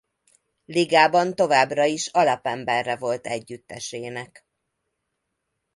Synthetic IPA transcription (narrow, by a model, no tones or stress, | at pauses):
liɡaːbɒnt̪o̞vaːbrɒiʃɒlɒpɛmbɛrːɛvo̞lt̪ɛɟːyt̪ːɛ̰ʃeːnɛk